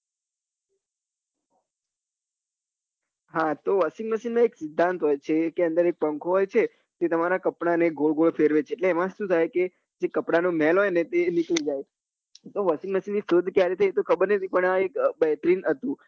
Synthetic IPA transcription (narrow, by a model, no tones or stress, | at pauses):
ɦãt̪oʋəsiŋɡməʃinmãeksɪd̪ʱːãnt̪ɦɔjt͡ʃʰekeə̃nd̪əɾek̚pəŋkʰoɦɔjt͡ʃʰe | t̪et̪əmaɾakəpɳaneɡoɭɡoɭfʰeɾʋet͡ʃʰeːʈleːmãʃũt̪ʰajke | d͡ʒekəpɽanomɛlɦɔjnet̪eniklid͡ʒaj | t̪oʋəsɪŋɡməsinːisod̪ʱkjaɾet̪ʰəjt̪okʰəbəɾnət̪ʰipəɳaekbɛɦt̪ɾinɦət̪ũ